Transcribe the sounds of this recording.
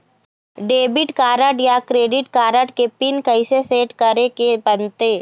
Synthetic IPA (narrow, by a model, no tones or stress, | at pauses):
ɖeːbɪʈkaːɾəʈjakɾeːɖɪʈkaːɾəʈkepɪnkəiseseːʈkəɾekebənt̪eː